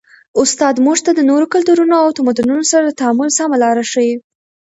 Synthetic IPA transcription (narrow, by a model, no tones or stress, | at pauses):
ʊst̪ɑd̪muʐt̪ad̪ənoɾokalt̪uɾunoawt̪amad̪ununosaɾad̪ət̪aamʊlsamalɑɾaʂəwi